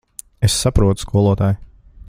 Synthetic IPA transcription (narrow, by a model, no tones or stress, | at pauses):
esːapɾuɔt̪u̥skʰuɔlˠuɔt̪aːj